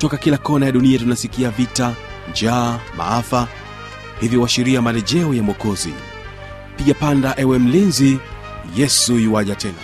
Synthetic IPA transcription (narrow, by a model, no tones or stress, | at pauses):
tɔkakilakɔnajaɗuniatunasikiavita | nd͡ʒaːma̰afa | hivjiwaʃiɾiamalɛʄɛɔjamɔkɔzḭ | piɠapandaʔɛwɛm̩linzi | jɛsuiwaʄatʰɛna̰